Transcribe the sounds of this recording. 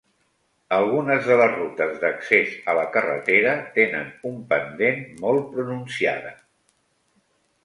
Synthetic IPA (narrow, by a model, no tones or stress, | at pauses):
əlˠɣunəzðələzrut̪əzðəksezələkərə̰t̪eɾət̪enə̰numpənd̪enmɔlˠpɾununsia̰ðə